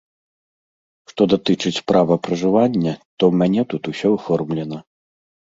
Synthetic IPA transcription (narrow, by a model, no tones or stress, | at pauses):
ʂt̪ɔd̪at̪ɨt͡ʂɨt͡sʲpɾʔavɐpɾɐʐɨvanʲːɐt̪ɔwmʲanʲɛt̪ut̪usʲɔwfɔrmlʲɛnɐ